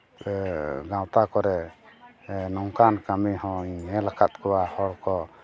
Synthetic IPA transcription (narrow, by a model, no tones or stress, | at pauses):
ɡãwt̪akɔɾɛ | nɔŋkankamihɔ̃iɲmɛlakat̪̚kɔwahɔɽkɔ